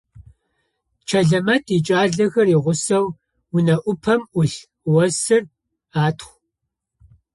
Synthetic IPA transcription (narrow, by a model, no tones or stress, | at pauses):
t͡ʃʰɐɮɐmɐtʰit͡ʃʼaːɮɐxɐriʁʷʊsɐw | wʊnɐʔʷʊpʰɐmʔʷʊɬ | wɐsɨr | aːtʰχʷ